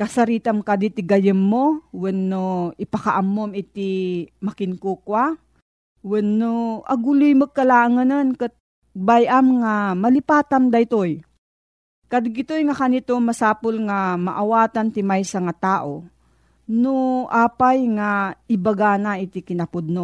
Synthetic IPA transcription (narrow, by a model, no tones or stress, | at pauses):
kɐsɐɾiːt̪amkad̪it̪ɪɡɐjɪmːowɛnːoɪpɐkaʔamːomɪt̪ɪmɐkɪŋkuːkwa | wɛnːoʔɐ̰ɡʊlujmək̚ːɐlaːʔŋɐnɐnkɨt̪̚ | bajʔamŋamɐlɪpaːt̪amd̪ɐjt̪oj | kad̪ɡɪt̪ojŋakanit̪omɐsaːpʊlŋama̰ʔawaːt̪ant̪ɪmajsɐŋat̪aːʔo | noʔaːpajŋaɪbaɡaːnaʔɪt̪ɪkɪnɐpʊd̪̚no